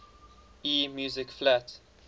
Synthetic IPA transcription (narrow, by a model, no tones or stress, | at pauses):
iːmjuːzɪkflat